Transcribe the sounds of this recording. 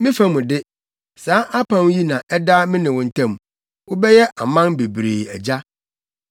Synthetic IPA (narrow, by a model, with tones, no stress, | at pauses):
mɪ̃˦fa˦mũ˨dɪ˦ | saː˨˦ʔa˦pʰã˦n˦ji˦nã˨ʔɛ˦da˦mɪ̃˦nɪ̃˨wʊ̃˨n̩˨tʰã˦˨m˨ | wʊ˦bɛ˦jɛ˦ʔa˨mã˦nbe˨bɾeː˨æ˨d͡ʑa˦